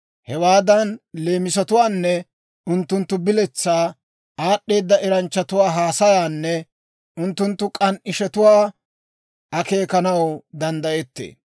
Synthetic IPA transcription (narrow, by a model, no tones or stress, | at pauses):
hɛwaːd̪ɐnle̞ːmɪsɐt̪ʊwaːnːɛ | ʊnt̪ːʊnt̪ːʊbɪlɛt͡sːaː | aːɗːe̞ːd̪ːɐʔɛɾɐnt͡ʃːɐt̪ʊwaːɦaːsɐjaːnːɛ | ʔʊnt̪ːʊnt̪ːʊkʼɐnʔɪʃɛt̪ʊwaː | ɐke̞ːkɐnɐwd̪ɐnd̪ɐʔɛt̪ːḛː